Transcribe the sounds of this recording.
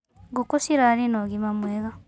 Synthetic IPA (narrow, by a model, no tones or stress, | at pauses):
ɡukusiɾaɾinoɣimamweɣa